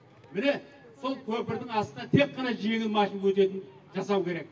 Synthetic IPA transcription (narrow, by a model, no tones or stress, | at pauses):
mɪne̞ | so̞lˠkʲʰɵpɪɾd̪ɪŋɑst̪ənɑt̪ʰe̞qːɑnɑʒije̞ɡʲɪnmɑʃinwɵt̪e̞t̪ɪn | ʒɑsɑwkʲʰe̞ɾe̞k̚